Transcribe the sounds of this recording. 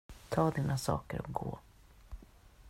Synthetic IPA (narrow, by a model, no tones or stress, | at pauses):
t̪ʰɑːd̪iːnasɑ̰ːkəɾɔɡoː